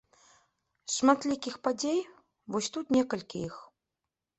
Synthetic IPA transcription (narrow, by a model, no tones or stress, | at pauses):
ʂmat̪lʲikʲixpad͡zʲej | vɔsʲt̪ut̪nʲɛkɐlʲkʲḭix